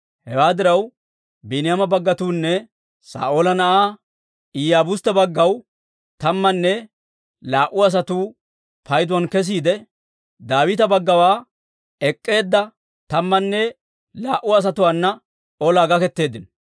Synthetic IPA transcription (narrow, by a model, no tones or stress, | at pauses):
hɛwaːd̪ɪɾɐw | bɛnɪjamɐbɐɡːɐt̪uːnːɛ | sa̰ːʔoːlɐnɐʔaː | ɪjaːbʊst̪ːɐbɐɡːɐw | t̪ɐmːɐnːɛ | laːʔʊɐs̬ɐt̪uː | pɐjd̪ʊwɐnkɛs̬iːd̪ɛ | d̪aːwɪt̪ɐbɐɡːɐwaː | ɛkʼːe̞ːd̪ːɐ | t̪ɐmːɐnːɛ | laːʔʊɐs̬ɐt̪ʊwaːnːɐ | ɔlaːɡɐkɛt̪ːe̞ːd̪ːɪnɔ